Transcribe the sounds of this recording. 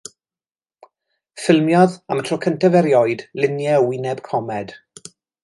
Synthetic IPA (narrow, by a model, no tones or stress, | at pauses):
fɪlˠmjɔða̰mətʰrɔkʰəntɛvɛɾjɔɨdlɪnjɛɔwɪnɛb̥kʰɔmɛd̥